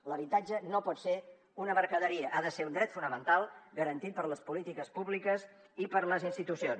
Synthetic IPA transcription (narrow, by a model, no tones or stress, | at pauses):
ləβit̪ad͡ʒənopɔt̪se | unəməɾkəðəɾiəʔaðəseund̪ɾɛt̪funəmənt̪alˠɡəɾənt̪it̪̚pəɾləspulit̪ikəspuβlikəs | ipəɾləzinst̪it̪usions